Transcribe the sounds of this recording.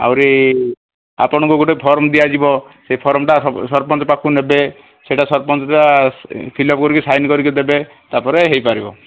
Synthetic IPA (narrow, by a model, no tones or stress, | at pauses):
a̰wɾi | a̰pɔɽ̃ɔ̃ŋkuɡoʈepʰɔɾɔmd̪ijad͡ʒibɔsepʰɔɾɔmʈasɔɾpɔnt͡ʃɔpakʰunebe | seʈasɔɾpɔnt͡ʃɔʈapʰilɔp̚kɔɾikisajnkɔɾikid̪ebe | t̪apɔɾeɦejpaɾibɔ